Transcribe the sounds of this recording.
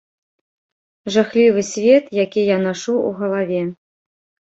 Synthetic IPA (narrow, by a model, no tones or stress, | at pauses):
ʐaxlʲivɨsʲvʲet̪jakʲijanaʂuṵɣɐlˠavʲe